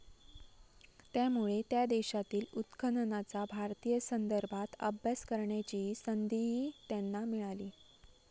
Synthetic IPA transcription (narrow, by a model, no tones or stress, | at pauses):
t̪jamuɭet̪jad̪eɕat̪iːlut̪kʰənənat͡sabʱaɾt̪ijəsənd̪əɾbʱat̪ə̰bʱjaskəɾɳjat͡ɕiːsənd̪iɦiːt̪janːamiɭaliː